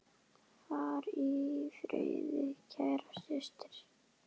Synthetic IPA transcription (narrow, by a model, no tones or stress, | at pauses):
θaɾifɾœ̰ɥðʏcʰaːjɾḁsɪst̪ɪ̥ɾ̥